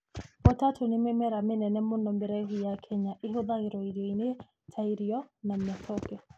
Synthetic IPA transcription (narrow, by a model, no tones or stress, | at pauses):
pɔtatunimɛmɛɾamenɛnɛmʊnɔmbɛɾɛɦijakʰɛɲaʔiɦoðaɣiɾɔiɾɔine | tʰaiɾiɔnamaθɔkɛ